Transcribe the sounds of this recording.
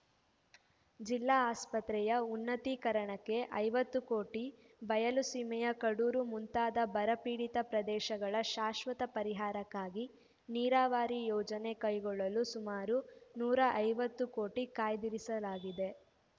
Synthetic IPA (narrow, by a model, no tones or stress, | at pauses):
d͡ʒilːaːaːspɐt̪ɾɛjɐunːɐt̪ikɐɾɐɳɐkːe̞ʔɐjʋɐt̪ːukoːʈi | bɐjɐlusimɛjɐkɐɽuːɾumunt̪aːd̪ɐbɐɾɐpiːɽit̪ɐpɾɐd̪ɛːʃɐɡɐɭɐʃaːʃʋɐt̪ɐpɐɾiɦaːɾɐkːaːɡi | niːɾaːʋaːɾijɔːd͡ʒɐne̞kɐjɡɔɭːɐlusumaːɾunuːɾɐʔɐjʋɐt̪ːuko̞ːʈikaːjd̪iɾisɐlaːɡid̪e̞